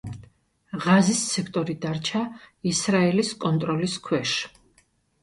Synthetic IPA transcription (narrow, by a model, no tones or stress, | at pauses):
ʁazissɛkʰt̪ʼɔɾid̪aɾt͡ʃʰaisɾaɛliskʼɔnt̪ʼɾɔliskʰwɛʃ